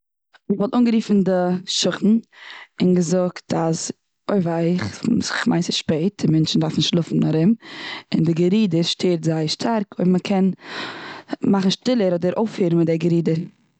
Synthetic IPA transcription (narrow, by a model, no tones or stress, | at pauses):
məvɔlˠtuːnɡəɾiːfn̩dɪʃʊχn̩ɪnɡəzʊktas | oɪvaɪχzɪχmʔaɪsəʃpeɪt̚d̥ɪmɛnt͡ʃn̩daɾfnɪʃlˠʊfn̩aɾɪmɪndɪɡəɾiːdəɾʃtʰeːɾtzaɪʃtʰaɾkoɪbməkʰɛn | maχn̩ʃtɪlˠəɾɔdəɾoʊfiːɾn̩mɪtdɛɡəɾiːdəɾ